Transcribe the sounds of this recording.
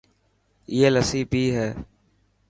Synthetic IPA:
ieːləsiːbʱiːɦɛː

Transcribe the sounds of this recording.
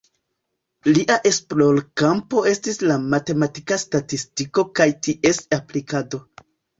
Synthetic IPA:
liʔaʔe̞spɾolkampo̞e̞stislamate̞matikastatistiko̞kajtiʔe̞saplikado̞

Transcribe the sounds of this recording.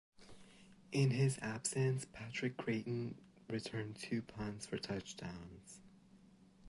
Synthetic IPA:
ʔɪ̃nɪzæb̥sɨ̃nspʰæt͡ʃɹ̥ɨkʰːɹ̥eɪʔn̩ | ɹɨtʰɜ̃˞ntʰʉpʰɑ̃nz̥fə˞tʰʌt͡ʃd̥ã̰ʊ̃nz̥

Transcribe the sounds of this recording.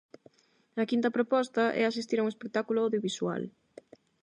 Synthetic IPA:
ɐkint̪ɐpɾopɔst̪ɐʔɛ̰asist̪iɾauŋespek̚t̪akulʊawðjoβiswa̰l

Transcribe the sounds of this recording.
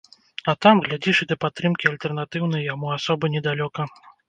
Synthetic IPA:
at̪amɣlʲad͡zʲiʂɨd̪ɐpat̪ːɾɨmkʲialʲt̪ɛrnat̪ɨwn̪ɐjjamuasɔbɨnʲɛd̪alʲɔkɐ

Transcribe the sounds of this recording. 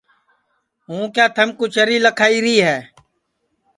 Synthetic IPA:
ɦũːkjaːt̪ʰəmkut͡ʃʰəɾiːləkʰaːiːɾiːɦɛː

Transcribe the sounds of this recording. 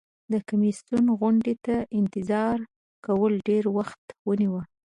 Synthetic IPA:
d̪əkamisjunɣʊɳɖet̪aʔɪnt̪ɪzɑɾ | kawəlɖeɾwaxt̪wəniwə

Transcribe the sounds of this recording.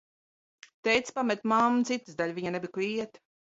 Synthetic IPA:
t̪ɛjt̪spamɛt̪mamt̪sit̪ɨsd̪alʲviɲanɛbikliɛt̪

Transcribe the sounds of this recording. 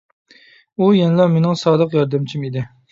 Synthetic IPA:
ujɛnɪlˠɑmenɪŋsɑːd̪əqjɑɾd̪ɛmt͡ʃʰimid̪ɪ

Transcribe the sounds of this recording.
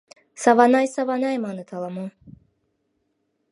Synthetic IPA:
savanajsavanajmanɨt̪ʰalˠamu

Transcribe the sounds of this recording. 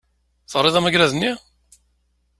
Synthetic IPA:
θəʁɾːeðˤæmæɡɾæðənːi

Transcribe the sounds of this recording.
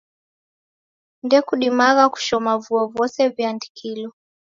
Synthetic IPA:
ndɛkuɗimaɣaku̥ʃɔmavuɔvɔsɛvjandikʰilɔ

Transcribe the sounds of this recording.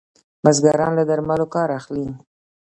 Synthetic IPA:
mazɡaɾɑnlad̪aɾmalokɑɾaxli

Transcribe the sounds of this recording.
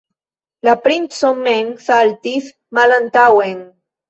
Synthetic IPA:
lapɾint̪somːenθalt̪iθ | malant̪aweŋ

